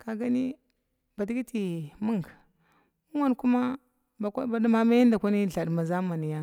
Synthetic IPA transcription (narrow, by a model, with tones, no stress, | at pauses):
ka˨ɡa˦ni˦ | ba˨di˦ɡi˦ti˨mu˦ŋɡ | mu˦wa˦n˨ku˦ma˦ | ba˨ka˦ba˨˦da˦ma˦ma˦i˦nda˨kʷa˦ni˦˨ɬa˨dma˨za˦ma˨ni˨ja˦